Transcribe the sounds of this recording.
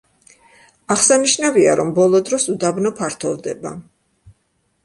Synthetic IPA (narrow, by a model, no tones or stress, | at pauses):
aχsaniʃnavia̰ɾɔmbɔlˠɔd̪ɾɔsud̪abnɔpʰaɾt̪ʰɔvd̪ɛba